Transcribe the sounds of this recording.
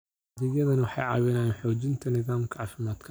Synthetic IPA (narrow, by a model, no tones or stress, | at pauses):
ðɛjɐðɐnɐwɑħɑ̰jʕɑ̰ːwɪnaːjnħɔːt͡ʃɪnt̪ʰɐnɪðaːmkʰɐʕɑːfɪmaːd̪kʰɐ